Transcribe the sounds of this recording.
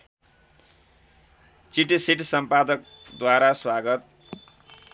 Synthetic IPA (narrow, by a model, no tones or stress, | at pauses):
t͡siʈisiʈsʌmpad̪ʌk̚ | d̪waɾaswaɡʌt̪̚